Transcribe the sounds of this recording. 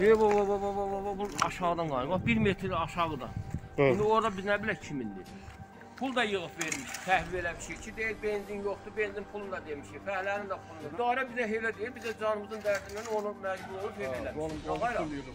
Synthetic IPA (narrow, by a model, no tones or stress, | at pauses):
ebobobobobobobobuɑ̰ʃɑʁɯd̪ɑnɡɑjɯmɑχbiɾmet̪ʰɾɑʃɑʁɯd̪ɑ̰ | ind̪io̞ɾd̪ɑbiznæbilæcʰimind̪ḭ | pʰulˠd̪ɑjɯɣɯpveɾmiʃt̪ʰæhvibelæbiʃejt͡ʃʰid̪ejilbenzinjoχt̪ube̞nzimpʰulˠund̪ɑd̪emiʃejfæhlæɾind̪æpʰud̪ɑːɾæbizæɦelæd̪ejilbizæd͡ʒɑnɯmɯzɯnd̪æɾsimænonumæd͡ʒbulˠolˠupheelæɑjɾɑ